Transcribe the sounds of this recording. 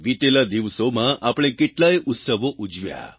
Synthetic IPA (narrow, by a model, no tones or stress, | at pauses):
ʋit̪elad̪iʋsomãʔapɽ̃ẽkeʈlajut̪səʋoʔud͡ʒʋja̰